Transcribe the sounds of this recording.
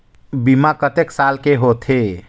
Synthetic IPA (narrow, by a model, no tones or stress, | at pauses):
bimakət̪eksalkeɦot̪ʰe